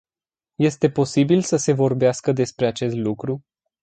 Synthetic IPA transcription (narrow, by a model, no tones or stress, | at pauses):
je̞st̪e̞po̞sibilsəse̞vo̞rbeaskəd̪e̞spɾe̞at͡ʃe̞st̪lukɾu